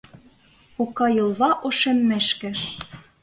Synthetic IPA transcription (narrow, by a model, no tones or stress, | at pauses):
okɑjɤ̆lˠβɑʔoʃemːæʃkɘ̆